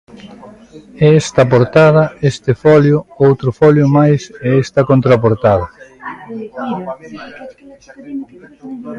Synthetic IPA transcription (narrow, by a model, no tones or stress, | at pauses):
ɛɛst̪ɐpoɾt̪að̞ɐest̪ɪfɔljʊowt̪ɾʊfɔljʊmajsɛest̪ɐkont̪ɾapoɾt̪aðɐ